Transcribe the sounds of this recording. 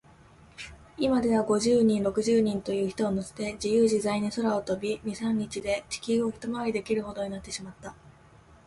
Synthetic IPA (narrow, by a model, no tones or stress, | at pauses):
imad̪e̞βaɡo̞ʑɨːɲ̟ĩnɾo̞kɯ̟ʑɨːɲ̟ĩnt̪o̞jɯ̟ːçi̥t̪o̞ːnose̥t̪e̞d͡ʑijɯːʑizaineso̞ɾao̞t̪o̞bʲiɲ̟isãɲ̟ːit͡ɕid̪e̞t͡ɕi̥kʲioki̥t̪omaβaɾʲid̪e̞kʲiɾɯ̟ho̞d̪o̞ɲinat̪ːe̞ɕimat̪ːa